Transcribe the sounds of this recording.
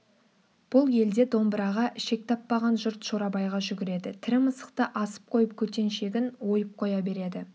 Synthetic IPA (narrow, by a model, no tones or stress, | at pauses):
b̥ʊlˠje̞ld̪e̞d̪o̞mbɾɑʁɑʔʃe̞k̚t̪ʰɑpːɑʁɑnʒʊɾt̪ʃoɾɑbɑjʁɑʒʏɡʲɪɾe̞d̪ɪt̪ʰɪɾɪməsə̥q̚t̪əʔɑsə̥p̚qʰo̞jəp̚kʲʰɵt̪e̞nʃe̞ɡʲɪnwo̞jəp̚qʰo̞jɑbe̞ɾe̞d̪ɪ